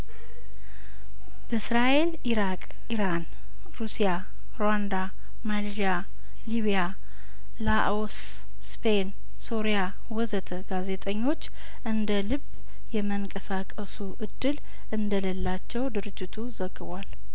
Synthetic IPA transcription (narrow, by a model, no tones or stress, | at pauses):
b̥əsɾaʔe̞l | iɾakʼ | iɾan | ɾusija | ɾowand̪a | malʒia | liβija | laʔos | spʰen | soɾija | wɔzət̪ʰəɡaze̞t̪ʼəɲːo̞t͡ʃː | ʔɨnd̪əlɨb | jɛməŋkʼəsakʼəsuʔɨd̪ːɨl | ʔɨnd̪ələlːat͡ʃːɛwd̪ɨɾɨd͡ʒːɪt̪ʰuzəɡːɨβwal